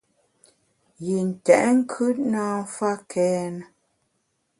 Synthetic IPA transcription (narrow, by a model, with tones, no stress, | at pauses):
ji˨n̩˨tɛ̰˨ʔŋ̩˦kʰʉ˦t̚naː˦m̩˦fa˦kʰɛː˦nə˨